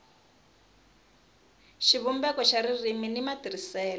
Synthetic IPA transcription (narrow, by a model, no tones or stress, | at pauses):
ʃiβumbɛkɔʃaɾiriminimatirisɛːlɔ